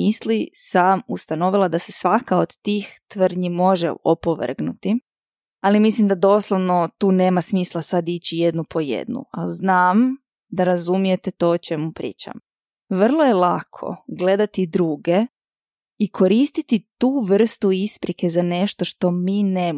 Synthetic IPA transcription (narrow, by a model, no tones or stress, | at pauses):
islisamust̪ano̞ʋilˠad̪ase̞sʋakaod̪t̪iːxt̪ʋr̩ɲimo̞ʒḛopoʋ̰r̩ɡnut̪i | alimislimd̪ad̪o̞ːslˠoʋnot̪uːne̞ːmasmiːslˠasad̪it͡ɕije̞d̪nupʰo̞jḛd̪nṵa̰lznaːm | d̪aɾazumije̞t̪e̞t̪o̞ːot͡ʃe̞mupɾḭːt͡ɕa̰m | ʋr̩lˠo̞je̞lˠakʰo̞̰ɡle̞d̪at̪id̪ɾuːɡe̞ | ikʰo̞ɾiːst̪it̪it̪uːʋr̩st̪uispɾike̞zane̞ʃt̪o̞ʃt̪o̞miːneːm